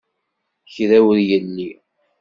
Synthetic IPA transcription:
çðæwəðjənːi

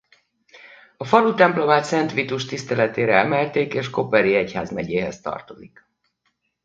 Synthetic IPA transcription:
ɒfɒlut̪ɛmplo̞maːt̪sɛnt̪ʋit̪uʃt̪ist̪ɛlɛt̪eːɾɛɛmɛlt̪eːkeːʃko̞pɛɾiɛchaːzmɛɟeːɦɛst̪ɒ̰rt̪o̞zik

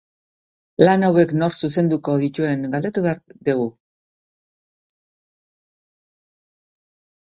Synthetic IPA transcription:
lanawe̞kno̞ɾsuse̞nd̪uko̞ðic̪ue̞ŋɡald̪e̞t̪uβeaɾd̪iɣ̞u

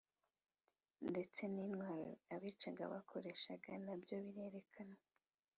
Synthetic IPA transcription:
nde̞t͡se̞ninwaːɾo̰aβit͡ʃaɡa̰βakʰo̞ɾe̞ʃaɡanabjo̞βiɾe̞ɾe̞kʰana

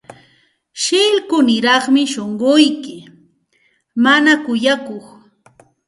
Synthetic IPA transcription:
ʃɪlkʊnɪɾɑχmɪʃoɴɢʊjkɪ | manakʊjakoχ

